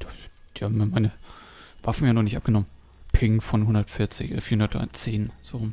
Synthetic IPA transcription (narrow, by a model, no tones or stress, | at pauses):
d̥ḁd̥iːhaːbm̩imaɪnə | vafn̩jaːnɔχnɪçtʔap̚ɡ̥ənɔmən | pʰɪŋfɔnɦʊndɐtfɪɐt͡sɪçʔɛfiɐhʊndɐta̰ɪt͡seːnz̥oʁʊm